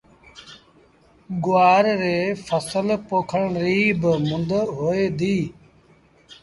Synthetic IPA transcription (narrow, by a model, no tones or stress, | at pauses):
ɡʊʋaːɾɾeːfʰəsəlpoːkʰəɳɾiːbmʊnd̪ɦoːeːd̪iː